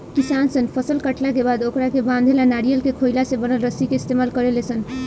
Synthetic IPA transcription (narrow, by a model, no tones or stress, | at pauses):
kisansənpʰəsəlkəʈlakebad̪okɾakebãnd̪ʱelanaɾijəlkekʰojlasẽbənəlɾəsikeist̪emalkəɾelesən